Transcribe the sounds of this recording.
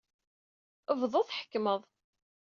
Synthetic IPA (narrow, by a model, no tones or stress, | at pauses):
əvðˤoθħə̥kːməðˤ